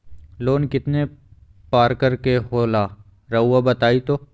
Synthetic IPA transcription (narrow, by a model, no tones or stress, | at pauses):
loːnkɪt̪ne | paːɾkəɾkeɦoːlaː | ɾɐuːabɐt̪aːit̪oː